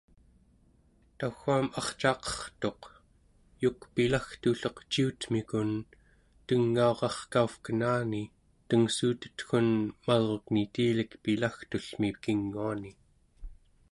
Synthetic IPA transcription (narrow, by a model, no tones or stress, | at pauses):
t̪axuamɑχt͡ʃɑːqʌ̥χt̪o̞q | jukpilaxt̪uɬoqt͡ʃiut̪mikun | t̪əŋːao̞ʁɑχkaufkənaːni | t̪əŋsuːt̪ə̥t̪xunmalʁoknit̪iːlikpilaxt̪uɬmipkiŋːuani